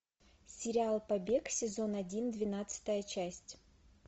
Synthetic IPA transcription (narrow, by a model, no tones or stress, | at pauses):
sʲɪɾʲɪalˠpɐbʲe̞ksʲɪzo̞nɐdʲind̪vʲɪnat̪sɨ̥t̪əjət͡ɕæsʲtʲ